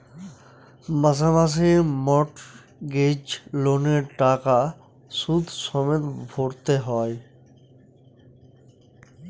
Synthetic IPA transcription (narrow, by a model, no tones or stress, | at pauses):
məs̬amas̬emɔʈ | ɡed͡ʒloneɾʈaːka | sud̪ʱsɔmet̪bʱoɽt̪eɦɔe